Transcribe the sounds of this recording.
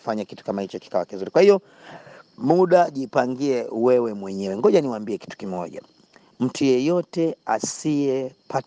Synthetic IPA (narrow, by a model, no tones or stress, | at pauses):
faɲakitu̥kamahit͡ʃɔki̥kawakinzuɾikwahiɔ | muɗaʄipaŋɡiɛwɛwɛmwɛɲɛwɛŋɡɔʄaniwambiɛki̥tu̥kimɔ̰ʄa̰ | m̩tʰujɛjɔtɛa̰siɛpa